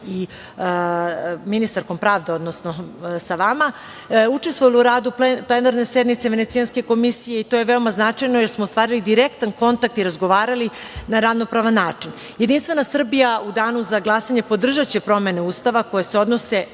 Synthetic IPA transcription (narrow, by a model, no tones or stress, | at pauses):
i | minist̪aɾko̞mpɾaːʋd̪e̞o̞d̪nosno̞saʋama | ut͡ʂest̪ʋoluɾaːd̪upleplˠenaɾne̞sed̪mit̪seʋe̞ne̞t̪sijanske̞ko̞misije̞it̪o̞jeʋeo̞maznat͡ʂajnojeɾsmoost̪ʋaːɾilid̪iɾekt̪anko̞nt̪ak̚t̪iɾazɡo̞ʋaːɾali | naɾaʋno̞pɾaʋanːaːt͡ʂin | jed̪inst̪ʋe̞nasr̩bijaud̪aːnuzaɡlˠasaɲe̞po̞d̪r̩ʒat͡ɕepɾo̞me̞ne̞uːst̪aʋako̞jese̞o̞d̪no̞se̞